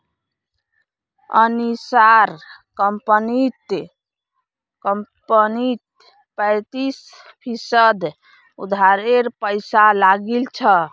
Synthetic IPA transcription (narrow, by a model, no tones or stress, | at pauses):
ə̰nisaɾ | kəmpənit̪ | kəmpənit̪ | pəɪt̪is | pʰisəd̪ | ud̪ʱaɾeɾpəjsalaɡilt͡ʃʰə